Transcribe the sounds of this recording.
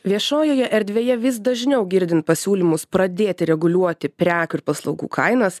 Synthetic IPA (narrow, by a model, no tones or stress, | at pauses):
ʋʲiɛʃoːjoːjɛʔɛɾʲd̪ʲʋʲeːjɛʋʲɪsd̪ɐʒʲnʲɛʊɡʲɪɾʲd̪ʲɪnt̪̚pɐsʲuːlʲimʊspɾɐd̪ʲeːt̪ʲɪɾʲɛɡʊlʲuɔt̪ʲɪpʲɾʲæːkʊɪɾpɐslˠɐʊɡṵːkʰɐɪnɐs